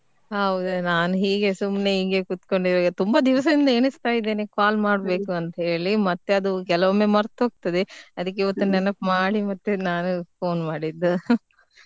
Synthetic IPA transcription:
ɦɐʋud̪unaːnuɦiːɡe̞sumne̞iːɡekut̪ko̞ɳɖiɾaːɡɐt̪umbɐd̪iʋɐs̬ɐd̪ind̪ɐe̞ːnist̪aːjid̪ːeːnekaːlmaːɽbe̞ːkuɐnt̪ɐɦe̞ːɭimɐt̪ːe̞ɐd̪ukɛlɐʋɐmːe̞mɐɾt̪ɦoːɡ̚t̪ɐd̪eɐd̪ɐk̬ːeiʋɐt̪ːunɛnɐpmaːɽimɐt̪ːunaːnupo̞ːnmaːɽid̪ːu

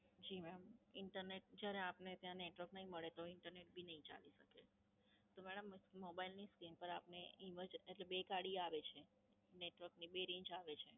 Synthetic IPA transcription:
d͡ʒimɛɽəmɪɳʈəɾneʈ̚d͡ʒjaɾeapnet̪jãneʈʋəɾknəɦĩməɭet̪oɪɳʈəɾneʈ̚bʱinəɦĩt͡ʃa̰liʃəke | t̪omɛɽəmːobailniskɾimpəɾapneɪməd͡ʒeʈlebekaɽiaʋet͡ʃʰe | neʈʋəɾknibeɾĩɲt͡ʃaʋet͡ʃʰe

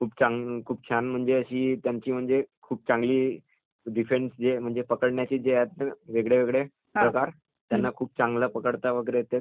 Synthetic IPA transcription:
kʰuːpt͡ɕãŋɡkʰuːp̚t͡ɕʰanm̤əɳd͡zeəɕiːt̪jaɲt͡ɕiːm̤əɳd͡zekʰuːp̚t͡sãŋɡliː | ɖifensd͡zem̤əɳd͡zepəkəɽɳjat͡ɕiːd͡zejat̪nəʋeɡɭeʋeɡɭe | pɾəkaɾ | t̪janːakʰuːp̚t͡sãŋɡləpəkəɽt̪aʋəɡɾejet̪e

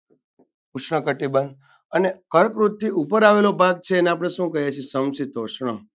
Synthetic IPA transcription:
uʃɳəkəʈibənd̪ | ənekəɾkɾut̪̚t̪ːiupəɾaʋelobʱaɡ̚t͡ʃʰeːneap̬ɽ̃eʃũkəɦjet͡ʃʰisəmsit̪oʃɳ̃ə

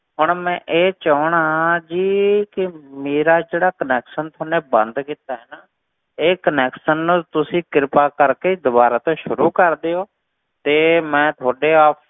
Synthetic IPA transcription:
ɦʊɳmɛ̃ːʔeːt͡ʃəːɳaːɦãd͡ʒiːkɪmeːɾaːd͡ʒeːɽaːkənɛːkʃənt̪ʰoːneːbə̰̃nd̪kiːt̪aːɦɛːnaː | eːkənɛːkʃənːũːt̪ʊsĩːkɪɾpaːkəɾkeːiːd̪ʊbaːɾaːt̪õːʃʊɾuːkəɾd̪eːoː | t̪eːmɛ̃ːt̪ʰaːɖeːaːpʰ

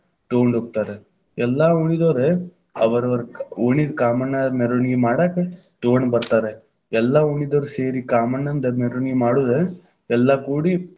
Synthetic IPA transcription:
ʈoːɳɖoːk̚t̪aːɾe | ɛlːauɳid̪oːɾe | ɐʋɐɾɐʋɐɾoɳid̪kaːmɐnːameɾonɡemaːɽaːke | ʈoːnbɐɾt̪aːɾe | ɛlːauɳid̪oːɾseːɾikaːmɐnːɐnd̪ɐmeɾonɡemaːɽuːd̪e | ɛlːɐkuːɽi

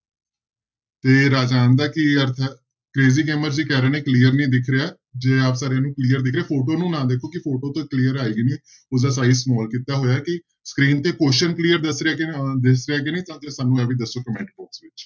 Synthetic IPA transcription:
t̪eːɾaːd͡ʒaːnd̪aːkɪəɾt̪ʰ | kɾeːziːɡeːməɾd͡ʒiːkɛːɾaːnẽːkliːəɾnĩːd̪ɪkʰɾɪjaː | d͡ʒeːaːpsaːɾeãːnũːkliːəɾd̪ɪkʰɾeaːpʰoːʈoːnũːnãːd̪eːkʰoːkɪfʰoːʈõːt̪õkliːəɾaːiːɡenĩː | ʊsd̪aːsaːizsmɔːlkiːt̪aːɦoːjaːkɪ | skɾiːnt̪eːkoːʃənkliːəɾd̪əsɾeaːd̪ɪsɾeaːɡenĩːt̪ãːd͡ʒeːsaːnːũːɛːbiːd̪əsːoːkəmɛ̃ːɳʈ̚bɔːksʋɪt͡ʃ

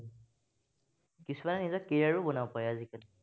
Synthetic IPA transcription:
kisʰumanɛnizɔkːeɹaɹubɔnawpajazikan

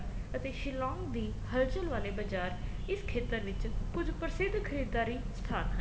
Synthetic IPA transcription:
ət̪eːʃɪlɔ̃ːŋɡd̪iː | həlt͡ʃəlʋaːleːbəd͡ʒaːɾɪskʰeːt̪əɾʋɪt͡ʃpʊd͡ʒpəɾsɪd̪kʰəɾiːd̪aːɾiːst̪ʰaːnɦə

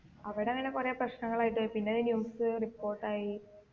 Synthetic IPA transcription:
ɐʋɐɽeɐŋːɐne̞kurɐjaprɐɕnɐŋːɐɭaːjiʈ̬ːɨpinːeɐðɨnjuːmsɨripːoːrʈːaːji

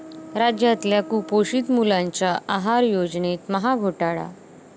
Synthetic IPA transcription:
ɾad͡ʑjat̪ljakupoɕiːt̪mulaɲt͡ɕjaʔaɦaɾjod͡znet̪məɦaɡʱoʈaɭa̰

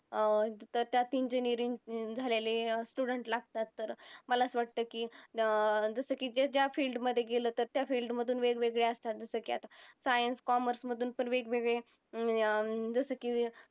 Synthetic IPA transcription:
t̪əɾt̪jat̪iɲd͡ʑənjəɾind͡zʱalelesʈuɽəɳʈlaɡ̚t̪at̪ːəɾməlat͡sʋaʈ̚t̪əːkiː | d͡zəsəːkiːd͡ʑed͡ʑjafiːlɖməd̪ʱːjeɡeləːt̪əɾt̪jafiːlɖməd̪ʱuːnʋeɡʋeɡɭeəst̪at̪̚d͡zəsəːkia̰t̪asajənskɔməɾsməd̪ʱuːnpəɳʋeɡʋeɡɭe | d͡zəsəːki

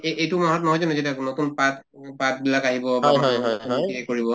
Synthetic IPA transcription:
eejtʊmɔɦɔtnɔɦɔjzɔnɛzet̬anotunpat | pat̚bilakaɦibɔbajɔjɦɔjiɛkoɹibɔ

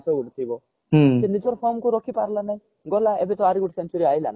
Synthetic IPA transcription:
sɔuɽt̪ʰibɔ | senid͡ʒɔɾpʰɔɾmkuɾɔkʰipaɾlanaj̃ | ɡɔlaebet̪ɔaɾiɡuʈsent͡ʃɔɾiajla̰na

